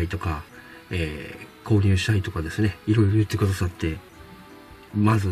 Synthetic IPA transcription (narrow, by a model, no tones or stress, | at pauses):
it̪o̞ka | eːkʰo̞ːɲ̟ʲɨ̟ːɕi̥t̪ait̪o̞kad̪e̞sɨne̞iɾo̞iɾo̞jɯ̟t̪ːe̞kɯ̟d̪asat̪ːe̞ | mazɨ